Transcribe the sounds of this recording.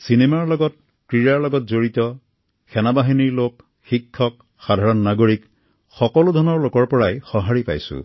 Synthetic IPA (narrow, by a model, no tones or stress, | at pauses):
sinemaɹlɔɡɔt̚ | kɹiɹaɹlɔɡɔtzoɹitɔ | xɛnabaɦiniɹlok | xikʰːɔk̚ | xadʱaɹɔnːaɡoɹik | xɔkɔlʊdʱɔnɔɹlokɔɹpɔɹajxɔɦaɹipa̰jsʊ̰